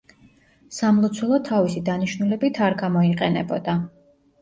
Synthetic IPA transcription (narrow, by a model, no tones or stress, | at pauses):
samlˠut̪sʰwɛlˠɔt̪ʰavisid̪aniʃnulɛbit̪ʰaɾɡamɔiqʼɛnɛbɔd̪a